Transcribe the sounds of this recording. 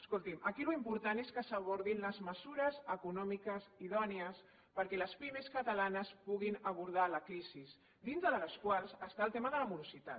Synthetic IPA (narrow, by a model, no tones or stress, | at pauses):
əskulˠt̪iməkiluimpuɾt̪aneskəsəβɔɾðinləzməzuɾəzəkunɔmikəziðɔniəs | pəɾkɛləspimeskət̪əlanəspuɣinəβ̞uɾð̞aləkɾiziz | d̪inzðəðələskwalˠzəst̪aːlˠt̪eməðələmuɾuzit̪a̰